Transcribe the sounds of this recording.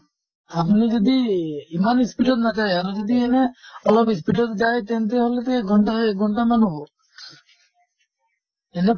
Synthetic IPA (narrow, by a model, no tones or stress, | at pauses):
apnid͡ʒɔd̪iimanispiʈɔt̪nat̪ajaɾod͡ʒɔd̪iɛneɔlɔpispiʈɔt̪d͡ʒajt̪ent̪̬eɦolet̪eɡʱɔɳʈaeɡʱɔɳʈamanubo | ɛne